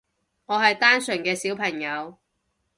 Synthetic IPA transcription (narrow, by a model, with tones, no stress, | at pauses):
ŋɔː˨˧ɦɐ˨jt̪aː˥nsɵ˨˩ŋkɛː˧siː˨˥wpʰɐ˨˩ŋjɐ˨˧w